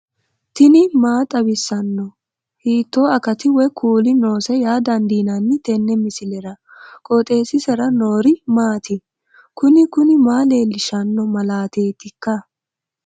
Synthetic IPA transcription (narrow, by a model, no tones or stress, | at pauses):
t̪ɪnɪmaːt̪ʼɐbɪsːɐnːɔ | hiːt̪ːoːɐkɐt̪ɪwɛkʰuːlɪno̞ːsɛjaːd̪ɐnd̪iːnɐnːɪt̪ɛnːɛmɪsɪlɛɾɐkʼot̪ʼe̞ːsɪsɛɾɐnoːɾɪmaːt̪ɪ | kʊnɪkʊnɪmaːle̞ːlːɪʃɐnːɔmɐlaːt̪eːt̪ɪkːɐ